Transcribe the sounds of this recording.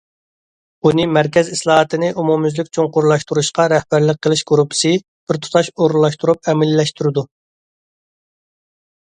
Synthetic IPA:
unɨmæɾkʲɛzislˠɑːɦɑt̪ʰɨnɪʔumumyzlɪkʲt͡ʃʰoŋqʊɾlˠɑʃt̪uɾuʃqɑɾɛhbæɾləq̚qʰːəlˠɪʃɡuɾupʰːɪ̥sɨ | b̥ɪɾt̪ʰu̥t̪ʰɑʃoɾulˠɑʃt̪uɾup̚ɛmɪlːɛʃt̪uɾɨd̪u

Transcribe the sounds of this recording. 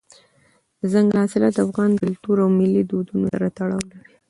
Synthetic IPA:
zaŋɡhɑsɪlad̪afɣɑnkʊlt̪uɾawmɪlːid̪od̪unosa̰ɾat̪aɽɑwlaɾi

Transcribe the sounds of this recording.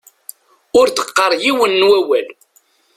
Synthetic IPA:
ʊɾθə̥qːəɾˤjiwənːwæwæl

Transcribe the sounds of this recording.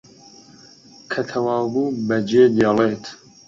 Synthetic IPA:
kʰɐt̪ʰɐwaːbuːbɐd͡ʒeːd̪jeleːt̪ʰ

